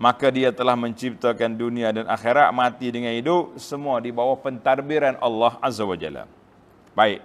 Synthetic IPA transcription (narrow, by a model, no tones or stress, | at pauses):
makadiat̪əlahməɲt͡ʃip̚t̪akanduniadanʔa̰xeɾat̪̚mat̪idəŋanidʊpsəmuadibawahpənt̪arbiɾanʔɑlːaɦʔazawad͡ʒa̰la̰ | baɪk̚